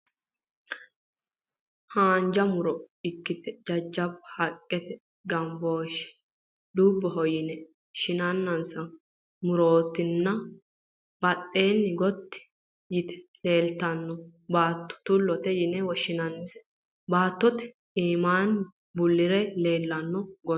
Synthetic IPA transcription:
haːnd͡ʒɐmʊɾɔɪkːɪt̪ɛd͡ʒɐd͡ʒːɐbhɐkʼːɛt̪ɛ | ɡɐmboːʃɛ̥ | d̪uːbːɔɦɔjɪnɛ | ʃɪnɐnːɐnsɐ | mʊɾo̞ːt̪ːɪnːɐ | b̥ɐt̪ʼːe̞ːnːɪɡɔt̪ːɪ̥ | jɪt̪ɛ̥le̞ːlt̪ɐnːɔbaːt̪ːɔ̥t̪ʊlːɔt̪ɛjɪnɛwɔʃɪnɐnːɪsɛ̥ | baːt̪ːɔt̪ɛ̥ | iːmaːn | bʊlːɪɾɛle̞ːlːɐnːɔɡɔ

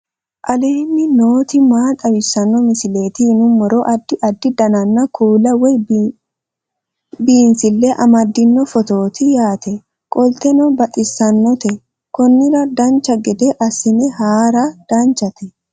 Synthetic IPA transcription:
ʔɐleːnːɪnoːt̪ɪmaːt̪ʼɐwɪsːɐnːɔmɪsɪle̞ːt̪ɪnʊmːɔɾɔʔɐd̪ːɪʔɐd̪ːɪd̪ɐnɐnːɐkʰuːlɐwɛj | biːnsɪlːɛʔɐmɐd̪ːɪnːɔfɔt̪o̞ːt̪ɪjaːt̪ɛ | kʼɔlt̪ɛnɔbɐt̪ʼɪsːɐnːɔt̪ɛ | kɔnːɪɾɐd̪ɐnt͡ʃːɐɡɛd̪ɛʔɐsɪnɛhaːɾɐd̪̥ɐnt͡ʃɐt̪ɛ

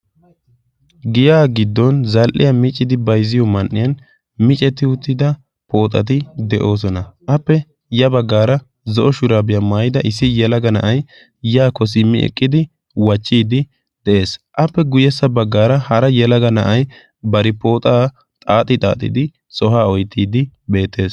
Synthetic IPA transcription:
ɡɪjaːɡɪd̪ːɔnzɐlʔɪ̰jɐmɪt͡ʃʼːɪd̪ɪbɐjzɪjɔmɐnʔːɪjɐn | mɪt͡ʃʼɛt̪ːɪʊt̪ːɪd̪ɐ | pʰo̞ːt̪ʼɐ̰t̪̬ɪd̪ɛʔo̞ːs̬ɔnɐʔɐpːɛ | jɐbɐɡːaːɾɐ | zɔʔɔʃʊɾaːbɪjɐmaːjɪd̪ɐʔɪsːɪjɛlɐɡɐnɐʔɐj | jaːkɔs̬ɪmːɪ̰ɛ̰kʼːɪd̪ɪ | wɐt͡ʃːiːd̪ɪ | d̪̥ɛʔe̞ːsʔɐpːɛɡʊjɛsːɐbɐɡːaːɾɐhɐɾɐjɛlɐɡɐnɐʔɐj | bɐɾɪpo̞ːt̪ʼaː | t̪ʼaːt̪ʼɪt̪ʼa̰ːt̪ʼːɪ̰d̪ɪ | sʼɔɦaːɔjt̪ːiːd̪ɪbe̞ːt̪ːe̞ːs

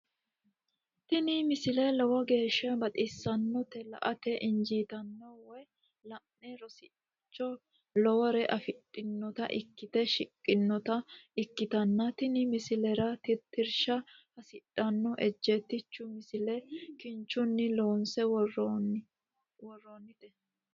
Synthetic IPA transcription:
t̪ɪnɪmɪsɪlɛlɔwɔɡe̞ːʃːɐbɐt̪ʼisːɐnːɔt̪ɛlɐ̰ʔɐt̪ɛʔɪnd͡ʒiːt̪ɐnːɔwɔj | lɐʔɛɾɔsɪ | t͡ʃːɔ | lɔwɾɛʔɐfɪᶑʼɪnːɔt̪ɐ̰ʔɪkːɪt̪ɛʃɪkʼːɪnːɔt̪ɐɪkːɪt̪ɐnːɐt̪ɪnɪmɪsɪlɛɾɐt̪ɪt̪ːɪɾʃɐhɐsɪᶑʼːɐnːɔʔɛd͡ʒːɛt̪ːɪt͡ʃːʊmɪsɪlɛkɪnt͡ʃːʊnːɪloːnsɛ | wɔrːoːnːɪt̪ɛ

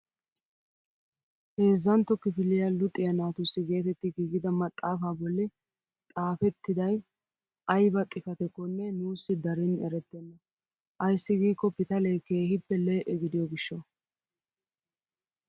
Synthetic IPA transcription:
he̞ːzːɐnt̪ːɔkɪfɪlːɪjɐlʊt̪ʼːɪjɐnaːt̪ʊsːɪɡe̞ːt̪ɛt̪ːɪɡiːɡɪd̪ɐmɐt̪ʼːaːfaːbɔlːɪ | t̪ʼaːfɛt̪ːɪd̪ɐj | ɐjbɐt̪ʼɪfɐt̪ɛkːɔnːɛnuːsːɪd̪ɐɾɪnɛɾɛt̪ːɛnːɐ | ʔɐjsːɪɡiːkːɔpɪt̪ɐlɛjke̞ːhɪpːɛleːʔɛɡɪd̪ɪjɔɡɪʃːɔ

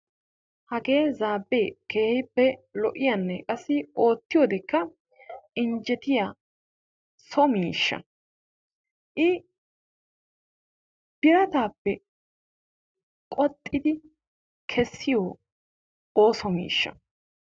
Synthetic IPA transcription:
hɐɡeːzaːbːeːkeːhɪpːɛlɔʔɪjanːɛkʼɐsːɪo̞ːt̪ːɪjoːd̪ɛkːɐ | ɪnd͡ʒɛt̪ɪjaː | sɔmiːʃːɐ̰ | ʔɪ | b̥ɪɾɐt̪aːpːɛ | kʼɔt̪ʼːɪd̪ɪ | kʰɛsːɪjo | oːsɔmḭːʃːɐ̰

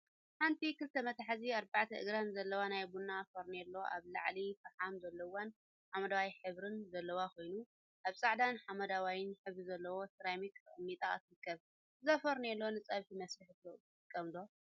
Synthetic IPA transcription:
ħant̪ʰikʰɨlt̪ʰɐmɐt̪ʰaħaziaɾbaʕt̪ʰɐʔɨ̰ɡɾanzɐlːɐwanajbunːafɐɾnelːo̞ʔa̰βla̰ʕlifɐħamzɐlːɐwan | ħamɐd̪awajħɨβɾɨnzɐlːɐwakʰo̞jnu | ʔaβsʼaʕd̪anħamɐd̪awajɪnħɨβɾizɐlːɐwo̞t̪ɨɾajmikʰɨʔʼɨmːit̪ʼa̰t̪ʰɨɾɨkʰːɐβ | zɐfɐɾnelːonɨt͡sʼɐβħimɐsɾɨħɨt̪o | ɨkʼːɐmd̪o

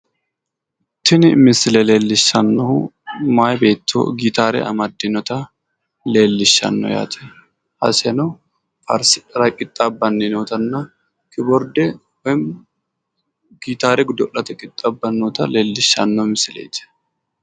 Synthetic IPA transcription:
t̪ɪnɪmɪsɪlɛle̞ːlːɪʃːɐnːɔʊmaːjbe̞ːt̪ːo̰ɡit̪aːɾɛ̰ɐ̰mɐd̪ːɪnɔt̪ɐ | le̞ːlːɪʃːɐ̰nːɔ̰ja̰ːt̪ʰɛ̥ | hɐ̰sɛnɐ | fɐ̰ɾsɪᶑɐɾɐkʼɪt̪ʼːabːɐnːɪnoːt̪ɐnːɐ | kʰɪbɔɾd̪ɛ | wɛm | ɡ̥iːt̪aːɾɛɡʊd̪ɔlːɐt̪ɛkʼɪt̪ʼːabːɐnːot̪ɐleːlːɪʃːɐnːɔmɪsɪlḛːt̪ːɛ̥

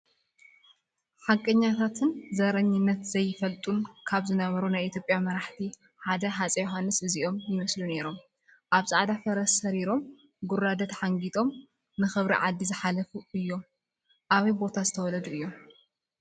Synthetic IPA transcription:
ħakʼːɐɲːat̪ʰat̪ʰɨnzɐɾɐɲːɪnːɐt̪zɐjːɪfɐlt̪ʼunkʰaβzɨnɐβɐɾunajʔit̪ʰjo̞pʼjamɐɾaħt̪ʰi | ħad̪ɐɦat͡sʼɐjuɦanːɨsɨziʔo̞mjɪmɐslune̞ɾo̞m | ʔaβzsʼaʕd̪afɐɾɐsːɐɾiɾo̞m | ɡʊrːad̪ɐt̪ħaŋɡit̪ʼo̞m | nɨxɨβɾḭʕad̪ːizɨħalɐfuʔɨjːo̞m | ʔaβɐjbo̞t̪ʰazɨt̪ʰɐwɔlɐd̪uʔɨjːo̞m

